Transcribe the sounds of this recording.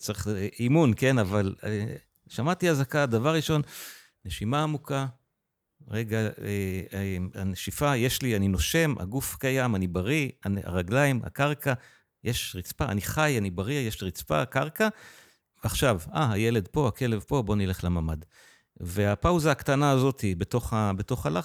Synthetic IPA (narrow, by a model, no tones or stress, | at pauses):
t͡saʁiχimunke̞navale | ʃamat̪iazakad̪avaʁːiʃo̞n | ne̞ʃimaːmukʰa | ʁeɡaema̰neʃifaje̞ʃlianino̞ʃe̞mʔa̰ɡufkajamanibaʁia̰na̰ʁaɡlaima̰kaʁkʰa | jʔeʃʁit͡spaa̰niχajanibaʁijeʃʁit͡spa̰kaʁka | veaχʃavaɦajele̞dpo̞akʰe̞levpo̞bo̞nile̞χlamamad | veapawzaːakt̪anaːzo̞thibeto̞χabeto̞χala